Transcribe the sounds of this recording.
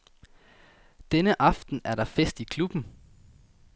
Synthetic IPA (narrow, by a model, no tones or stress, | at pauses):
d̥enəʔɑ̈fd̥n̩æɐɾɑ̈fesd̥ikʰlub̥n̩